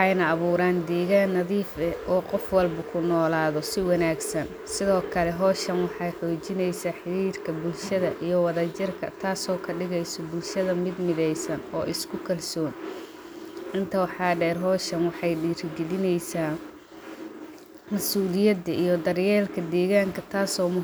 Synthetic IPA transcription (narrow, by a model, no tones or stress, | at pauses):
ɑjnɐːβuːɾaːnd̪ɛːɣaːnːɐðiːfɛʔɔːqɔfwɑlbɐkʰʊnɔːlaːðɔsɪwɑnaːɡsɐn | sɪðɔːkʰɐlɛɦɔːʃɐnwɑħɑjħɔːt͡ʃɪnɛjsaːħɪɾiːrkʰɐbʊlʃɐðɐʔijɞwɑðɐt͡ʃɪrkʰɐ̰t̪ʰaːsɔːkʰɐɖɪɣɛjsɔbʊlʃɐðɐmɪd̪mɪðɛjsɐnɔ̰ːʔɪskʰʊkʰɐlsɔːn | ʔɪnt̪ʰɐwɑħɑːɖɛːrɦɔːʃɐnwɑħɑjɖiːrɡɛlɪnɛjsaː | mɐsuːlɪjɐd̪ɐʔijɞd̪ɐrjɛːlkʰɐd̪ɛːɣaːŋkʰɐt̪ʰaːsɔːmʊ